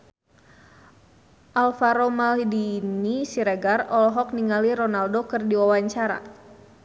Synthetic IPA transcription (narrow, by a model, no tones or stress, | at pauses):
ʔalfaɾomaldinisiɾɛɡarɔlɔɦɔk̚niŋaliɾɔnaldokɨrdiwawaɲt͡ʃaɾa̰